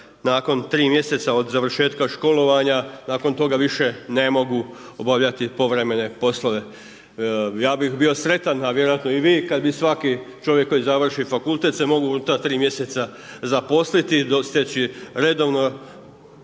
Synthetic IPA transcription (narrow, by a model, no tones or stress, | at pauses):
naːko̞nt̪ɾiːmje̞se̞t̪sao̞d̪zaʋr̩ʃe̞ːt̪kaʃko̞lo̞ʋaɲanaːko̞nt̪o̞ɡaʋiʃe̞ne̞mo̞ɡuobaʋʎat̪ipo̞ʋɾe̞me̞ne̞po̞slˠoʋe̞ | jaːbixbio̞sɾe̞t̪anaʋje̞ɾojat̪noiʋiːkad̪bisʋakit͡ʃo̞ʋjekːo̞jizaʋr̩ʃifakulˠt̪e̞t̪semo̞ɡuuut̪at̪ɾiːmje̞set̪sa | zapo̞slit̪id̪ost̪et͡ɕiɾe̞d̪o̞ʋno̞